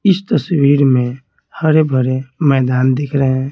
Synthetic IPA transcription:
ɪst̪əswiːɾmẽ | hɐɾebʱəɾemɛːd̪aːnd̪ɪkʰɾəɦɛ̃ː

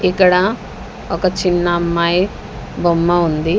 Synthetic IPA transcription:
ikːɐɽɐ | ɔkɐt͡ʃinːɐːmːaːj | bomːɐund̪i

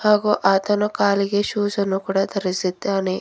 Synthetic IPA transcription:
haːɡuʔaːt̪ɐnɐkaːliɡeʃuːsɐnukuːɽaːt̪ɐɾisid̪aːne

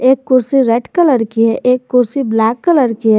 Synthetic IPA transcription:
eːkːʊɾsiɾeɖkələɾkiɦɛʔeːkːʊɾsiblæːkːələɾkiɦɛ

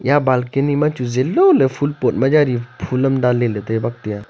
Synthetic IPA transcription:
jabaːlkenimãt͡ʃuzelːolefʰulpoːʈmad͡ʒaɾipʰulɐmd̪aːlelet̪oebɐk̚t̪ja

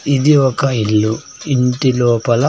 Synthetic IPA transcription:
id̪iɔkɐilːu | iɳʈiloːpɐlɐ

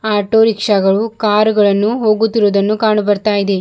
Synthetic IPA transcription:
aːʈoːɾikʂɐɡɐɭukaːɾuɡɐɭɐnːuɦo̞ːɡut̪ːiɾuːd̪ɐnːukaːɳɐbɐɾt̪aːjid̪e̞

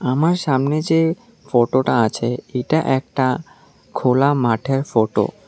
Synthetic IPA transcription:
amaɾʃamned͡ʑe | foʈoʈaat͡ɕʰeeʈaʔɛk̚ʈa | kʰolamaʈʰeɾfoʈo̰

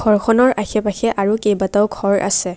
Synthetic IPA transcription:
ɡʱɔɹkʰɔnɔɹʔaxɛpaxʰɛʔaɹukejbataʊɡʱɔɹa̰sɛ

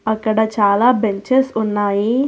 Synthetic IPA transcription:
ɐkːɐɽɐt͡ʃaːlaːbeɲt͡ʃesunːaːji

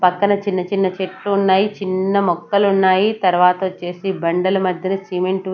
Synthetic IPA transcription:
pɐkːɐnɐt͡ʃinːɐt͡ʃinːɐt͡ʃeʈːuːnːaːjit͡ʃinːɐmɔkːɐlunːaːjit̪ɐɾuʋaːt̪ɐt͡ʃe̞ːsibɐɳɖɐlɐmɐd̪ʱjɐnɐsiːmeɳʈ

